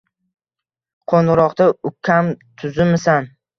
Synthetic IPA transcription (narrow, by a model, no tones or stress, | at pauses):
qʰonɾɒqt̪aʊkʲʰamt̪ʰʊzɪmɪsan